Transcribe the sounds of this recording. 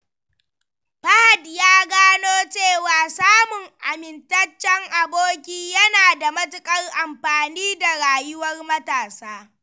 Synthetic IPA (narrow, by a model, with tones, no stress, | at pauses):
ɸɐ˦ha˨djaː˦ɡaː˦noː˦t͡ʃeː˦˨waː˨saː˦mʊ˨ŋʔa˨mɪ˨ntɐ˦t͡ʃːɛ˦ŋʔa˨boː˦kʲiː˦jɐ˦naː˨da˨mɐ˦tʊ˨kʼɐ˦rʔa˨mɸaː˨niː˦da˨ɽaː˨jʊ˦wɐ˦rmɐ˦taː˨saː˦